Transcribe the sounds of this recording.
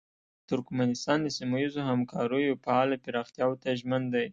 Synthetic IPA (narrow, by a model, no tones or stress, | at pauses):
t̪ʊɾkmanɪst̪ɑnd̪əsimajizohamkʰɑɾəjopaɑlapɪɾɑxt̪jɑwt̪aʒmand̪aj